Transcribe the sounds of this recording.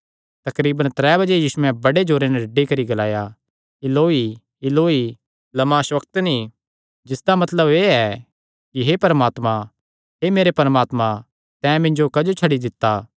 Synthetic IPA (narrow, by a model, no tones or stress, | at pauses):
t̪ɐkɾiːbə̃nt̪ɾɛːbɐd͡ʒejiːsuɛ̃bɐɽed͡ʒoːɾenɛɾɐɖikɐɾiɡɐlaːja | ɪloːi | ɪloːi | lɐmaːʃʋɐkt̪ni | d͡ʒɪsd̪amɐt̪ləbeːɛ | kiɦepɐɾəmaːt̪mã | ɦemeːɾepɐɾəmaːt̪mã | t̪ɛ̃ːmɪ̃nd͡ʒokɐd͡ʒot͡ʃʰɐɽid̪ɪt̪ːa